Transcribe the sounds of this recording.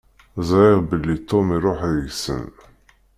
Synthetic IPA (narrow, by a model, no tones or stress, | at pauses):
zˤiʁbəlːit̪ːomiɾˤoħɣsə̰n